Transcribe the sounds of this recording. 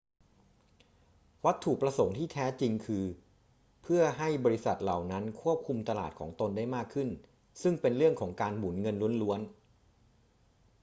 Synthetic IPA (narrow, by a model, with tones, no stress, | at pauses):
wa˦˥t̪ʰːu˨˩pɾa˧so˩˦ŋt̪ʰiː˥˩t̪ʰɛː˦˥t͡ɕi˧ŋkʰɯː˧ | pʰɯ˥˩ɐɦa˥˩jbɔː˧ɾi˦˥sa˨˩t̪̚la̰˨˩wna˦˥nkʰu˥˩əp̚kʰu˧mt̪a˧la̰ː˨˩t̪̚kʰɔ̰ː˩˦ŋt̪o˧nda˥˩jmaː˥˩kʰːɯ˥˩n | sɯ˥˩ŋpe˧nɾɯ˥˩əŋkʰɔː˩˦ŋkaː˧nmuː˩˦nŋɤ˧nlu˦˥ənlu˦˥ən